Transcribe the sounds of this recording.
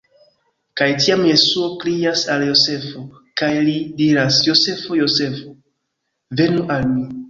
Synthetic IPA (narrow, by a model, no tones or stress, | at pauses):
kajtiamje̞suo̞klijasaljo̞se̞fo̞ | kajlidiɾasjo̞se̞fo̞jo̞se̞fo | ve̞nuʔalmi